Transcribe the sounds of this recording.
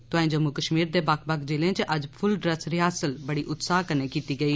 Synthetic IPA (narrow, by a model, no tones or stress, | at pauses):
t̪ʊãːĩːd͡ʒəmːukəʃmiːɾd̪eːbaːkbakd͡ʒeːlẽːt͡ʃʔəd͡ʒpʰʊlɖɾəsɾɪaːsəlbəɽiʔʊt̪saːɦkəneːkiːt̪iːɡəiː